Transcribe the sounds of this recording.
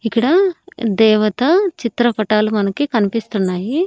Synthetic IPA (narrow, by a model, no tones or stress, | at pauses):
ikːɐɽɐd̪ɛːʋɐt̪ɐt͡ʃit̪ɾɐpɐʈaːlumɐnɐkikɐnipist̪unːaːji